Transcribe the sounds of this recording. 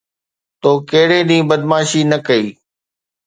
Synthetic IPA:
t̪oːkeɦɽẽːɗĩːbəd̪maːʃiːnɐkəiː

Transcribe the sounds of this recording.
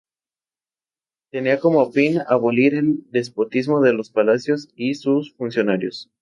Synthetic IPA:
t̪eniako̞mofina̰βoliɾe̞ld̪e̞s̬po̞t̪izmo̞ðe̞lo̞spalasjo̞sisusfunsjo̞naɾjos

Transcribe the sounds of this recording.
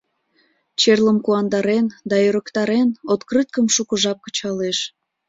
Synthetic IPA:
t͡ɕerləmkuɑnd̪ɑɾend̪ɑøɾəkt̪ɑɾenot̪krɨt̪̚kəmʃukəʒɑp̚kə̥t͡ɕɑleʃ

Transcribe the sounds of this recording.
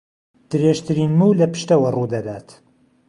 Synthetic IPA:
d̪̥ɨɾeʒt̪ʰɨɾiːnmuːlɐpɨ̥ʃt̪ɐwɐrud̪ɐd̪aːt̪

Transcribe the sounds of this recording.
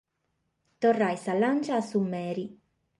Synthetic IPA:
t̪orːajsalant͡ʃaːsumːɛːɾi

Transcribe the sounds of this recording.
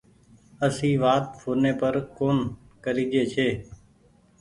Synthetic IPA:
əsĩːʋaːt̪̚fʰoːneːpəɾkoːn | kəɾiːd͡ʒeːt͡ʃʰeː

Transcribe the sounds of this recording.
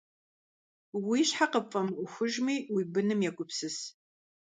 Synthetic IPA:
wiːɕħaqəfʼɐmʷʊxʷʊʒmiːwibɨnɨmjɛkʷʼʊpsɨs

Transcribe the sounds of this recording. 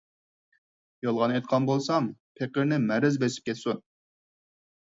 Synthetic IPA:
jɑlˠʁɑnejt̪̚qʰɑnbolˠsɑmpʰeqəɾnɪmɛɾɪzbesɪ̥p̚kʲʰɛt̪sun

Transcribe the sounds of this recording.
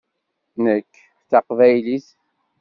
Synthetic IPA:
nəkː | θɑqvæjliθ

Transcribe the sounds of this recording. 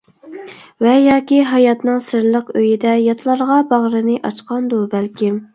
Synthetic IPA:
vɛjɑːkʲiɦɑjɑt̪nɨŋsɨɾlˠəqøjɪd̪ɛjɑt̪ʰlˠɑɾʁɑbɑʁɾɨnɨʔɑt͡ʃqɑnd̪ubælkʲʰɪm

